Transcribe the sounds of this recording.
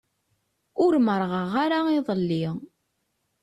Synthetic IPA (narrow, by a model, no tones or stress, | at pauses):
ʊɾməɾˤʁəʁaɾaiðˤəlːi